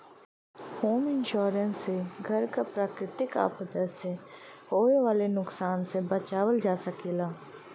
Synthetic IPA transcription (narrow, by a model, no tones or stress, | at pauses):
hoːmɪ̃nʃoːɾənsːeɡʱɐɾkapɾaːkɾɪt̪ɪka̰ːpəd̪əseɦoːʋeʋaːlenʊksaːnsebɐt͡ʃaːʋəld͡ʒaːsəkeːlaː